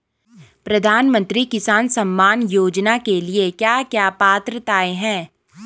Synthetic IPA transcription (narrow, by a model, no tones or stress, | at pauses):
pɾɐd̪ʱaːnmə̃nt̪ɾikɪsaːnsɐmːaːnjoːd͡ʒnakeliekjaːkjaːpaːt̪ɾət̪aːeɦɛ̃ː